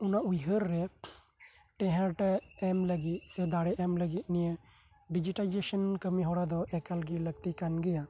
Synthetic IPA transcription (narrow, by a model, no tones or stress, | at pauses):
unaʔujɦəɾːɛ | ʈɛɦɛɾʈaɛmləɡit̪̚sɛd̪aɽɛʔɛmləɡit̪̚nijə | ɖid͡ʒiʈalid͡ʒesənkəmiɦɔɽad̪ɔʔɛkalɡiləɡ̚t̪ikanɡɛja